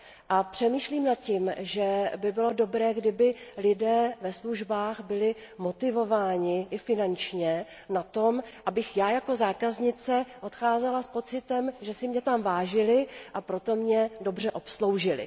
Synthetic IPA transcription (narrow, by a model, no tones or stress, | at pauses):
ʔapr̝̥ɛmiːʃliːmnat̪cimʒɛbɪbɪlo̞do̞bɾɛːɡdɪbɪlɪdɛːvɛsluʒbaːxbɪlɪ | mot̪ɪvo̞vaːɲɪʔɪfɪnant͡ʃɲɛ | nat̪o̞mʔabɪxjaːjako̞zaːkazɲɪt͡sɛʔo̞t̪xaːzɛlaspo̞t͡sɪt̪ɛmʒɛsɪmɲɛt̪amvaːʒɪlɪʔapɾo̞t̪o̞mɲɛdo̞br̝ɛʔo̞pslo̞wʒɪlɪ̰